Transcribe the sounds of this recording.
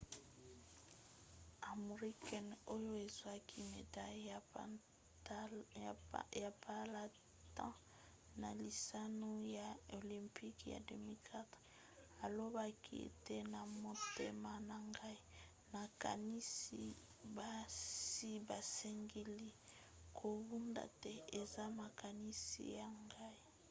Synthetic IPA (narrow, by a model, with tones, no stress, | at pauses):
a˨mo˨ʁi˦kʰɛ˨no˦jo˦e˨zwa˦kʰi˦me˨da˦ | ja˨pa˦la˦ | tã̰˦ | na˨li˨sa˦no˦ja˨o˨lĩ˨mpi˦kja̰˨de˨mi˦lkʰa˦t | a˨lo˦ba˦kʰḭ˦ḛ˨tɛ˦na˨mo˦tḛ˦ma˦na˨ŋɡa˦i˦ | na˨ka̰˨ni˦si˦ | ba˨si˦ba˨sɛ˦ŋɡi˦li˦ | kʰo˨bu˦nda̰˨tɛ˦e˨za˦ma˨ka˨ni˦sḭ˦ja˨ŋɡa˦i˦